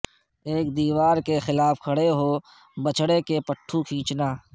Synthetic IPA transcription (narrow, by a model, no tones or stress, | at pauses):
eːk̚d̪iːʋaːɾkexɪlaːfkʰɐɽeɦoː | bət͡ʃɽekepəʈʰːukʰĩːt͡ʃnaː